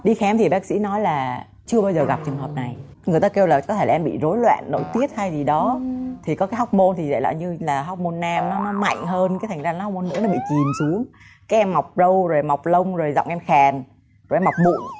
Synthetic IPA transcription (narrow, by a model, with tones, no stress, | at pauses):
ɗi˧xɛ˨˦mt̪ʰi˨˩ɓaː˦˥k̚sḭ˧˥nɔ˨˦jlaː˨˩ | t͡ɕɨ˧əɓaː˧wzəː˨˩ɣa˨˩p̚t͡ɕɨ˨˩əŋɦəː˨˩p̚na˨˩j | ŋɨ˨˩əjt̪aː˧ke˧wlaː˨˩kɔ˨˦t̪ʰe˧˩laː˨˧mɓḭ˧˨zo˨˦jlwɛ̰ː˧˨nːo̰˧˨jt̪i˦˥ət̚ha˧jzi˨˩ɗɔ˨˦t̪ʰi˨˩kɔ˨˦kaː˨˦jɦa˦˥wk͡p̚mo˧nt̪ʰi˨˩zə̰ː˧˨jla̰ː˧˨ɲɨ˧laː˨˩ɦa˦˥wk͡p̚mo˧nːa˧mnɔ˨˦nɔ˨˦ma̰˧˨jŋ̟ɦəː˧nkaː˨˦t̪ʰa˨˩ŋ̟zaː˧nɔ˨˦a˦˥k͡p̚mo˧nːɨ̰˧˥ənɔ˨˦ɓḭ˧˨ki˨˩msu˨˦əŋ | kaː˨˦jʔɛ˧mːa˨˩wk͡p̚zə˧wzo˨˩jma˨˩wk͡p̚lə˧wŋ͡mzo˨˩jzɔ̰˧˨ŋ͡mʔɛ˧mxɛ˨˩n | zo˨˩jʔɛ˧mːa˨˩k͡p̚ɓṵ˧˨n